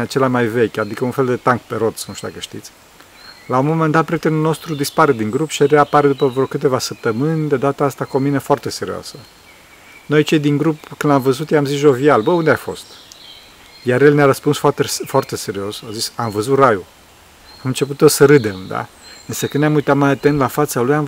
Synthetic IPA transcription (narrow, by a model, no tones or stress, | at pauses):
at͡ʃe̞lamajve̞kʲad̪ikəunfe̞ld̪e̞t̪aŋkpe̞ɾo̞t̪snuʃt̪ud̪a̰kəʃt̪ḭt̪sʲ | laumomend̪at̪pɾʲjet̪enulno̞st̪ɾud̪ispaɾe̞d̪iŋɡɾupʃiaɾeapaɾed̪upəvɾokɨt̪e̞vasəp̚t̪əmɨnʲd̪e̞d̪at̪aast̪ako̞minəfoart̪e̞se̞ɾḭoa̰sə | no̞jt͡ʃe̞jd̪iŋɡɾupkɨnd̪amvəzut̪jejamzisʒo̞vialbəund̪eajfo̞̰st̪ | jaɾjelneaɾəspunsfat̪esfoart̪e̞se̞ɾio̞sazisamvəzut̪raju | amɨnt͡ʃe̞put̪jesəɾɨd̪e̞md̪a̰ | ɨnsəkɨnnʲamujt̪at̪majat̪ent̪lafat̪salujam